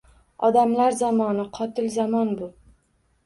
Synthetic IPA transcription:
ɒd̪amlaɾzamɒnɪqʰɒt̪ɪlzamɒnbʊ

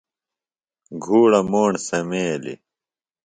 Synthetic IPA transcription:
ɡʱuːɽɐmoːɳsɐmeːlḭ

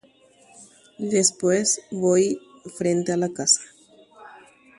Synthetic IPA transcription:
d̪espwesβoj | fɾent̪ealakasḁ

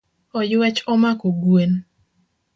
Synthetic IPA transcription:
ɔjwɛt͡ʃɔmakoɡwen

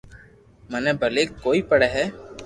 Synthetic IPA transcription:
məneːbʱəleːkːoːiːpəɽeːɦɛː

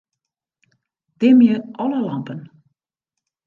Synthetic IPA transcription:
d̥ɪmjəʔɔləlɑmpən

